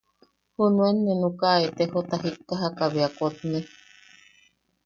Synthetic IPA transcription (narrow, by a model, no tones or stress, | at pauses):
hunuenːenũkaet̪ehot̪aɦikːaɦakaβeakot̪ne